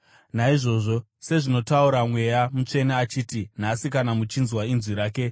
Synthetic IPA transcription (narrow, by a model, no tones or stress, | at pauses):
naiʐo̞ːʐo̞ | se̞ʐino̞tauɾamwe̞jamut͡ʂe̞naːt͡ʃiːtin̤asikanamut͡ʃinzwainzwiɾaːke̞